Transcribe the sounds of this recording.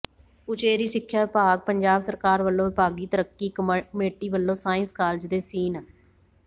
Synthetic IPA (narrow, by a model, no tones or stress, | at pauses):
ʊt͡ʃeːɾiːsɪkʰːjaːʋɪpaːɡ̚pəɲd͡ʒaːbsəɾkaːɾʋəlːõːʋɪpaːɡiːt̪əɾəkːiːkmeːʈiːʋəlːõːsaːɪ̃nskaːld͡ʒd̪eːsiːnaː